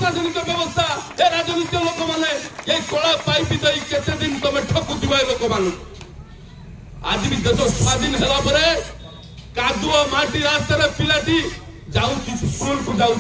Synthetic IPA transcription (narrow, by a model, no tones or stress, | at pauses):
ad͡ʒɔnit̪ɔbjɔbɔst̪ʰaeɾad͡ʒɔnit̪jɔlokɔmanejeikɔɭapajpid̪ɔiket̪ed̪int̪ɔmeʈʰɔkːut̪ibʱajlokɔmanɔ̃ | a̰d͡ʒmid͡ʒɔsɔsad̪inɦelapɔɾe | kad̪uɔmaɾʈ̪iɾast̪aɾepilaʈi | d͡ʒaw̃t͡ʃʰisɾunkud͡ʒaũ